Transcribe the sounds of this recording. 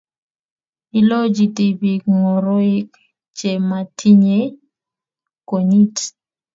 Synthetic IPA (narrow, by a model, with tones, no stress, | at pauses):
ɪ˦lɔ˦d͡ʒi˨ti˨bi˨kŋo˨ɾo˦ɪ˦k | t͡ʃe˨ma˨tʰi˦ɲe˦ | ko˨ɲi˦t